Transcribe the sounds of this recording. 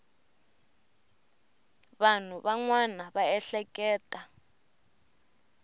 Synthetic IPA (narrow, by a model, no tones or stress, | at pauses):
βan̤uβaŋwanaβaɛɬɛkʼɛːtʼa